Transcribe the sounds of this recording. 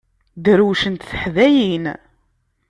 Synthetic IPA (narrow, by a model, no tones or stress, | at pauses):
d̪əɾuʃənt̪θəħðæjin